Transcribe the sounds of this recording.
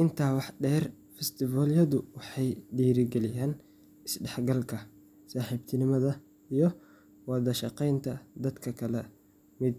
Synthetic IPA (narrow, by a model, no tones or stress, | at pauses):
ʔɪnt̪ʰaːwɑħɖɛːr | fɛst̪ʰɪvɔːljɐðʊwɑħɑjɖiːɾɪɡɛlɪjaːn | ɪsɖɛħɡɐlkʰɐ | saːħɪbt̪ʰɪnɪmɐðɐ | ijɞ | wɑðɐʃɑqɛjnt̪ʰɐd̪ɐd̪kʰɐkʰɐlɛ | mɪd̪̚